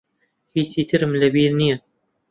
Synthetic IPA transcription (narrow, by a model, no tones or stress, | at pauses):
hiːsiːt̪ʰɨɾɨmlɐbiːɾnijɐ